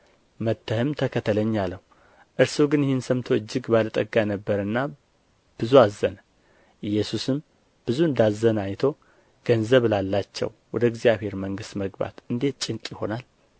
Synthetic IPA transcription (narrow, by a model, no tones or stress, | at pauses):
mət̪ːəhɨmt̪ʰəkʰət̪ʰələɲːalːəhu | ʔɨɾsuɡɨnjɪhɪnsəmt̪ʰo̞ɨd͡ʒːɨɡbalət̪ʼəɡanəbːəɾɨnːa | b̥ɨzuazːən | ɨjːɛsusɨm | b̥ɨzuɨnd̪azənajt̪ʰo̞ | ɡ̥ənzəβlalːat͡ʃːɛ̰wwɔd̪əɡzijaβhe̞ɾməŋɡɨst̪məɡba̰t̪ɨnd̪e̞t̪̚t͡ʃʼɪŋkʼjɪho̞nal